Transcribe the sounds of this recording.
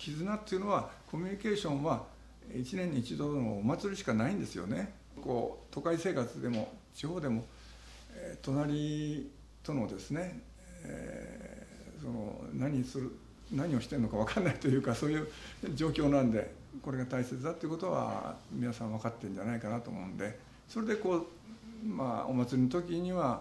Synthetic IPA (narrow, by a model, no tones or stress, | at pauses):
kʲʰizɨnat̪ːejiɯ̟no̞βakʰo̞mʲiɲ̟ike̞ːɕõ̞ɰ̃βa | it͡ɕinẽ̞ɲ̟ːiːt͡ɕid̪o̞noːmat͡sɨɾʲiɕi̥kanaĩnd̪esɨjo̞̰ne̞ | ko̞ːt̪o̞kaise̞ːkat͡sɨd̪e̞mo̞t͡ɕiho̞ːd̪e̞mo̞ | et̪o̞naɾʲi | t̪o̞no̞d̪e̞sɨne̞̰ | sono̰naɲ̟isɨɾɯ | naɲ̟io̞ɕi̥t̪eɯnokaβ̞akaɾnait̪o̞jɯ̟ːkaso̞ːjɯ̟ːd͡ʑo̞ːkʲo̞ːnãnd̪e̞ | ko̞ɾe̞ɡat̪aise̞t͡sɨd̪at̪oiɯ̟kot̪o̞βa̰mʲinasãɰ̃βakat̪ːẽ̞n̟d͡ʑanaikanat̪o̞̰ːmo̞ɯ̃nd̪e̞ | so̞ɾe̞d̪e̞ko̞ː | ma̰o̰mat͡sɨɾʲinot̪o̞kʲiɲ̟iβa